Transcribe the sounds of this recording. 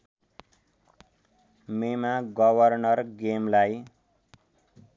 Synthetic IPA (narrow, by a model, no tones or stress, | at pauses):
memaɡʌbʱʌrnʌrɡemlaj